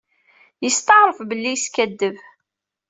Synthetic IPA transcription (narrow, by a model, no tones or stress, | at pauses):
jəst̪ɑʁɾˤəfbəlːijskæd̪ːəv